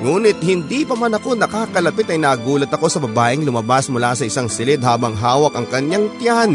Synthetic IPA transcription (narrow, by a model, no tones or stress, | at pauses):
ŋuːnɪt̪̚hɪnd̪ipɐmanɐko̞nɐkaːkɐlɐpɪt̪ɐjnaːɡuːlɐt̪ɐko̞sɐbɐbaːʔɪŋlʊmɐbasmʊlasɐʔɪsaŋsɪlɪd̪̚haːbɐŋɦaːwɐkɐŋkɐɲaŋt̪ɪjan